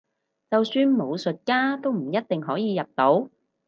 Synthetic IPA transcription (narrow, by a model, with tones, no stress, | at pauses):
t͡sɐ˨wsyː˨˧nmo˨˧wsɵ˨t̚kaː˥t̪o˥wm̩˨˩jɐ˥t̚t̪ɪ˨ŋɦɔː˨˥jiː˨˧jɐ˨p̚t̪o˨˥w